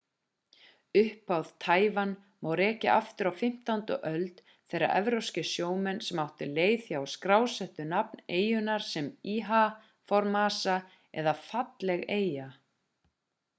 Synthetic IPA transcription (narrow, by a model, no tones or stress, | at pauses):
ʏhpawð̥t̪ʰaːjvan | mawɾɛːhcɪ̰ʔa̰ft̪ʏɾawfɪm̥t̪awnt̪ʏ̰ʔœlt̪ | θejɾːa̰ɾʔɛvɾowscɪsjoːwmɛnːsɛmawht̪ʏleːjθjawskɾaːwsɛht̪ʏnap̚neːjʏnaɾ̥sɛmiːɦa | fɔɾmaːsa | ɛ̰ðafat̪lɛɣeːja